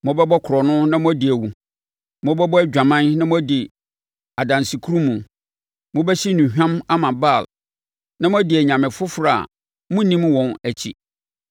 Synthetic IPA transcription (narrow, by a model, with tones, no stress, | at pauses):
mʊ̃˦bɛ˦bɔ˦kʰʊ˨ɾɔ˨nʊ̃˦nã˦mʊ̃˦dɪ˨æ˨wu˨ | mʊ̃˦bɛ˦bɔ˦æ˦d͡ʑᶣã˨mã˦nnã˦mʊ̃˦dɪ˨ | a˨dã˨nsi˨kʰu˦ɾũ˦mũ˨ | mʊ̃˦bæ˦ɕi˦nũ˨ɦᶣã˦ma˦mã˨ba˦˨l | nã˦mʊ̃˦æ˦dɪ˨æ˨ɲã˨mɪ̃˨fʊ˦fʊ˦ɾa˨a̰˨ | mũ˦nĩ˦m˦wɔ̃˨næ˨t͡ɕʰḭ˨